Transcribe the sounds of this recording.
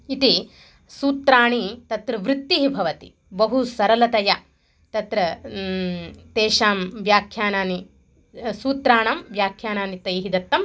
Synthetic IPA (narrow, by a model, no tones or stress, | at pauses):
it̪i | suːt̪ɾaːɳit̪ɐt̪ɾɐʋɾɪt̪ːiɦibʱɐʋɐt̪ḭ | bɐɦusɐɾɐlɐt̪ɐja | t̪ɐt̪ɾɐ | t̪eːʃaːmʋjaːkʰjaːnaːni | suːt̪ɾaːɳɐmʋjaːkʰjaːnaːnit̪ɐjɦid̪ɐt̪ːɐm